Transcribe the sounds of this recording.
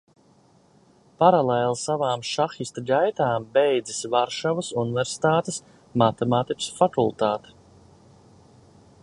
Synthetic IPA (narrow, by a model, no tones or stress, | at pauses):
paɾalɛːlˠsavaːmʃaxist̪aɡajt̪aːmbɛjd̪zisvaɾʃavɐsuniveɾsi̥t̪aːt̪es | mat̪emaːt̪ikʲu̥sfakulˠt̪aːt̪e̥